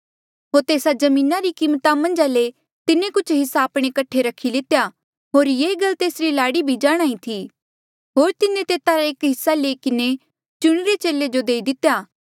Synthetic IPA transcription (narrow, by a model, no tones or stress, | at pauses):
ɦoːɾt̪eːsad͡ʒɐmĩːnaɾikiːmt̪amɐ̃nd͡ʒaːle | t̪ɪnẽkʊt͡ʃʰɦɪsaːpɽ̃ekɐʈʰːeɾɐkʰːilɪt̪eja | ɦoːɾjeːɡɐlt̪eːsɾilaːɽibʱid͡ʒaːɽ̃aːĩt̪ʰiː | ɦoːɾt̪ɪnẽt̪eːt̪aɾaeːkɦɪsːaleːikɪne | t͡ʃʊɽ̃ɾet͡ʃeːled͡ʒod̪eːid̪ɪt̪ejaː